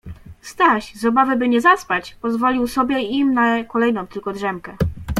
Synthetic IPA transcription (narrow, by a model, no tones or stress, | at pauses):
st̪aɕzɔbavɘbɘɲɛzaspat͡ɕpɔzvɔlʲiwsɔbʲjɛimnakɔlɛjnɔ̃w̃t̪ɘlkɔdʐɛmkɛ